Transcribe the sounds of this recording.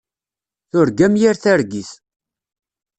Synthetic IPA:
θʊɾɡæmjiɾθæɾɡiθ

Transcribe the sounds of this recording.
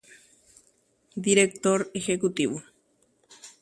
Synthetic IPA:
d̪iɾek̚t̪oɾexekut̪iβo

